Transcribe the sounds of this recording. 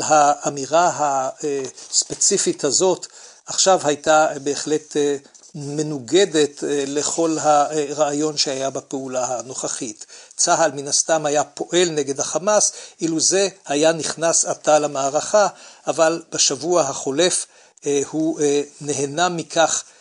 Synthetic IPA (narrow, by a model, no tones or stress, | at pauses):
haamiʁaɦaespe̞t͡sifithazo̞t | aχʃavhajtabe̞ːχle̞t | me̞nuɡede̞tle̞χo̞lɦaʁaːjo̞nʃehajabapeulahano̞χaχitt͡saɦalminast̪amhajapo̞ʔe̞lneɡe̞d̪haχamasʔiluze̞hajaniχnasatalamaːʁaχaʔavalb̥aʃavuaɦaχo̞le̞f | huneɦenamikʰaχ